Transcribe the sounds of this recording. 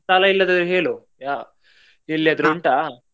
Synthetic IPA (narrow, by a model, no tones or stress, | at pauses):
saːlɐilːɐd̪ɐd̪ɾuɦeːɭu | jaː | ilːiɐd̪ɾuuɳʈa